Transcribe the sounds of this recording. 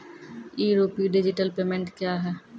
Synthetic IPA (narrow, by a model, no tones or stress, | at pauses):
iːɾoːpiɖɪd͡ʒɪʈəlpeːmẽɳʈkjaːɦɛː